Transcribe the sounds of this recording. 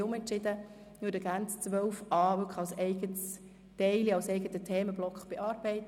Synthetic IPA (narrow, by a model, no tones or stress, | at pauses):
ʊmɛntt͡ʃɪd̪ə | mydəɡænt͡st͡sʋœlfɑːʋʏkχɑlsɛɪɡəts | tɛɪliɑlsɛɪɡət̪ətʰɛːməblɔkχb̥ɛʔɑːɾb̥ɛɪt̪